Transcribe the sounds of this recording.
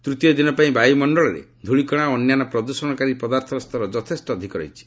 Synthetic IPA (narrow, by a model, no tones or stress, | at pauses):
t̪ɾut̪ijɔd̪inɔpaĩbʱajumɔɳɖɔɭɔɾḛd̪ʱuɭikɔɽ̃aoːnjanɔpɾɔd̪usɔɽɔkaɾipɔd̪aɾt̪ʰɔst̪ʰɔɾɔd͡ʒɔt̪ʰesʈɔːd̪ʱikɔɾɔ̰jt͡ʃʰi̥